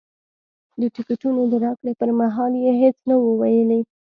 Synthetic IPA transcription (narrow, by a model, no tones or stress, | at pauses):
d̪əʈɪkaʈunod̪əɾɑkɽepəɾmaɦɑljeɦet͡snawəwajəlaj